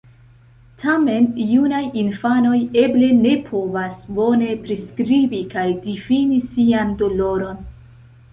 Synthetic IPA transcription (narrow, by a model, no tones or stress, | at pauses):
tʰame̞njunajinfano̞je̞ble̞ne̞pʰo̞vasbo̞ne̞pɾiskɾibikajdifinisiando̞lo̞ɾo̞n